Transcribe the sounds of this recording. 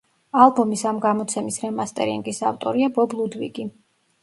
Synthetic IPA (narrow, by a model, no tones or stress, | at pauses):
alˠbɔmisamɡamɔt̪sʰɛmisɾɛmast̪ʼɛ̰ɾḭŋɡisaft̪ʼɔɾiabɔblˠud̪vḭɡi